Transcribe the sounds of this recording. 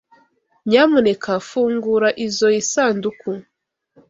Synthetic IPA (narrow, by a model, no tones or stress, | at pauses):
ɲaːmunekʰafuːŋɡuɾaʔizojisaːnduku